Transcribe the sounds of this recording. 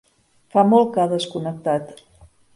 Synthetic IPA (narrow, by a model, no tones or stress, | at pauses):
famɔlˠkaðəskunək̚t̪at̪